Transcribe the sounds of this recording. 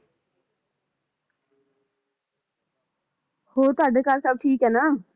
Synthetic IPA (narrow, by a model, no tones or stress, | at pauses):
hoːt̪ʊaːɖeːkaːlsəb̚ʈʰiːkɦɛːnaː